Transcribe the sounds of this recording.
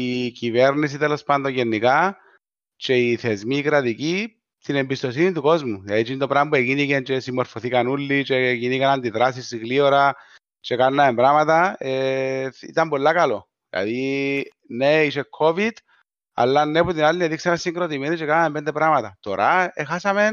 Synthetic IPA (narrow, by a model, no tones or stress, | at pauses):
ikiveɾnis̬it̪elospand̪ojenːika | t͡ʃeiθezmikɾaðiki | t̪inembist̪o̞s̬init̪ukozmulait͡ʃint̪opɾambuekinikent͡ʃesimːoɾfoθikanulːit͡ʃekinikanand̪iðɾas̬isiɣlioɾa | t͡ʃekanːaembɾamat̪aeḭt̪ambolːakalo | la̰ði | neiʃekʰːovid̪ | a̰lːanːeput̪inalːineðiksamesːiŋɡɾot̪̬imenit͡ʃekanaempend̪epɾamat̪at̪oɾaexasamen